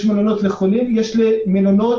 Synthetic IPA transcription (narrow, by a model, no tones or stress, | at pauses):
ʃmelonot̪leχolimjeʃlimelono